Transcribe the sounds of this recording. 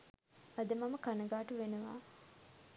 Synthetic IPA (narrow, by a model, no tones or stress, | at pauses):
ad̪əmaməkanəɡaːʈəʋenəʋa̰ː